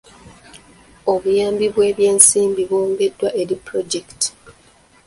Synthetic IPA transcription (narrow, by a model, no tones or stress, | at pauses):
oβujaːmbiβwe̞ːβje̞ːnsiːmbiβwoːŋɡe̞dːwaʔe̞ɾipɾo̞d͡ʒekti̥